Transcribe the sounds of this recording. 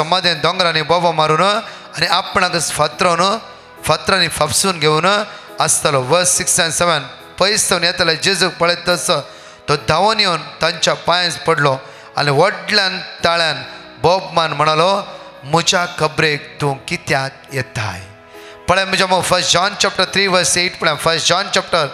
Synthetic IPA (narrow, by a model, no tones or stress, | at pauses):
səmad̪ʱend̪ɔ̃ŋɡɾanibɔbamaɾuːn | aniapɳaɡəsfat̪ɾən | fat̪ɾanifapsuːnɡʱeun | əst̪alɔʋəɾsiksɛnseʋən | pəist̪ənjɛt̪alad͡ʑid͡zək̚pəɭet̪̚əsə | t̪ɔd̪ʱaʋɔnjownt̪ãɲt͡ɕapãj̃spəɽlɔ | a̰niʋəɽljãnt̪aɭjãn | bɔbmanm̤əɽ̃alɔ | m̤ud͡ʑakəbɾek̚t̪ũŋkit̪jakjɛt̪a̰j | pəɭjãm̤əd͡ʑaməɡfəɾsd͡ʑɔnt͡ɕap̚ʈəɾt̪ʰɾiːʋəɾseʈpəɭjãnfəɾsʈd͡ʑɔnt͡ɕap̚ʈəɾ